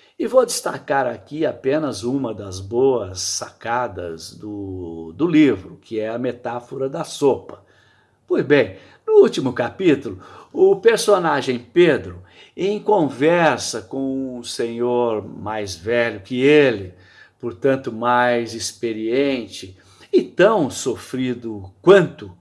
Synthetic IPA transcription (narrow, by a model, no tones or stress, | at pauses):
ɪvowd͡ʒ̪ɪst̪akaɾakiapẽnɐzũmɐd̪ɐzboɐsːakad̪ɐ̰zd̪ʊd̪ʊlivɾʊkɪɛɐmet̪afoɾɐd̪ɐsopɐ̥ | pojzbẽj̃ | nʊut͡ʃimʊkapit̪ulʊʊpeɾsonaʒẽj̃ped̪ɾʊ | ẽj̃kõvɛɾsɐkõũsẽɲoɾmajzvɛʎʊkɪelɪ | poɾt̪ɐ̃nt̪ʊmajzispeɾiẽnt͡ʃɪ | ɪt̪ɐ̃w̃sofɾid̪ʊkwɐ̃nt̪ʊ